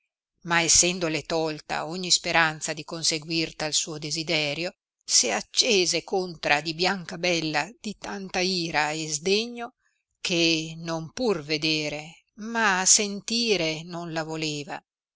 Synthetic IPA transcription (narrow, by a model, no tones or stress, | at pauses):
maesːɛnd̪olet̪ɔlt̪a̰oɲːispeɾant̪sad̪ikonseɡwirt̪alsuːod̪ezid̪ɛːɾjo | seat͡ʃːeːzekont̪ɾad̪ibjaŋkabɛlːad̪̥it̪ant̪aiːɾaezd̪eɲːo | kʰenompurved̪eːɾe | masent̪iːɾenonlavoleːva